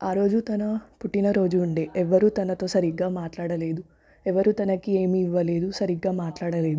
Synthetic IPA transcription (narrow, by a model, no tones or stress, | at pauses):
aːɾo̞ːd͡ʒut̪ɐnɐpuʈːinɐɾo̞ːd͡ʒuːɳɖe̞ːʔɛʋːɐɾuːt̪ɐnɐt̪o̞ːsɐɾiɡaːmaːʈlaːɽɐle̞ːd̪u | ɛʋɐɾut̪ɐnɐkieːmiiʋːɐle̞ːd̪usɐɾiɡaːmaːʈlaːɽɐle̞ːd̪u